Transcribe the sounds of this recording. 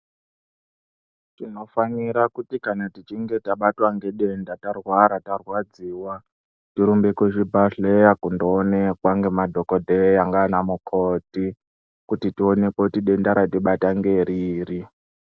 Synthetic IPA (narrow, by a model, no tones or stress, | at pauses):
tino̞faniɾakutikanatit͡ʃiŋɡe̞taɓatwaŋɡe̞ɗe̞ndatarwaɾatarwad͡ziːwa | tiɾumbekweʐibʱaɬejakundoːnekwaŋɡe̞madʱo̞kodʱejaŋɡaːnamukʰoti | kutitione̞kotiɗe̞ndaɾatiɓataŋɡe̞ɾiːri